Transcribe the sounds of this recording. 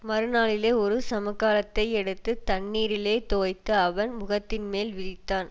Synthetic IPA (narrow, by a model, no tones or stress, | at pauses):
mɐɾɯnaːɭɪleːɔɾɯsɐmɐkːaːlɐt̪ːɐɪɛɽɯt̪ːɯt̪ɐɳːiːɾɪleːt̪oːjt̪ːɯɐʋɐnmʊɣɐt̪ːɪnmeːlʋɪðɪt̪ːaːn